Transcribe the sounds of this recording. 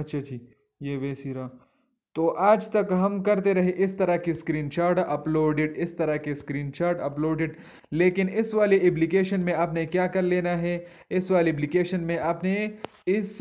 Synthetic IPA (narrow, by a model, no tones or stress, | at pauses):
ɐtːʃʰad͡ʒiː | jeːʋeːsiːɾaː | t̪oːʔaːd͡ʒt̪ɐkɦɐmkɐɾt̪eɾɐɦeʔɪst̪ɐɾakiskɾiːnt͡ʃaːɾʈɐploːɖɪɖɪst̪ɐɾakeskɾiːnt͡ʃaːɾʈɐploːɖɪɖ | leːkɪnɪsʋaːleep̬lɪkeːʃənmẽaːp̬nekjaːkɐɾleːnaɦɛ | ɪsʋaːleplɪkeːʃənmẽʔaːpne | ɪs